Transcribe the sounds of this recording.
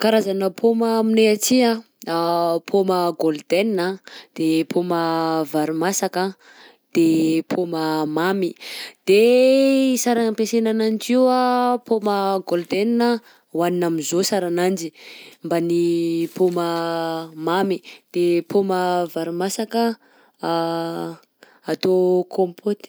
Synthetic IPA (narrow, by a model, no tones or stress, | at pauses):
kaɾazanəpʰoməmineat͡siã | pʰoməɡold̪eninad̪̥epʰoməvaɾumasaka | d̪̥epʰoməmamid̪̥e | isaɾampesenanand͡ʒiwapoməɡold̪eninə | waninamizosaɾanand͡ʒimbanipomə | mamid̪̥epʰoməvaɾimasakə | at̪okʰompʰot̪i̥